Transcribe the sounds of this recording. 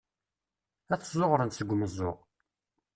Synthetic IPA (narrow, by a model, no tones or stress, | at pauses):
æθəzˤoʁɾənsəɡʷːməzˤːoʁ